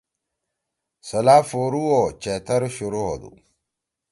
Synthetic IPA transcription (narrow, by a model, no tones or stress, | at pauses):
səlafoɾuwot͡ʃet̪ɐɾʃuɾuho̰d̪ṵ